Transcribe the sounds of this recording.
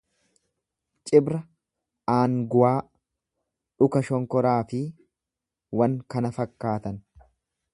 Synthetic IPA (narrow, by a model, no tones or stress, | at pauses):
t͡ʃʼɪbɾɐ | aːŋɡʊaː | ᶑʊkɐʃɔŋkɔɾaːfɪ | wɐŋkɐnɐfɐkːaːt̪ɐn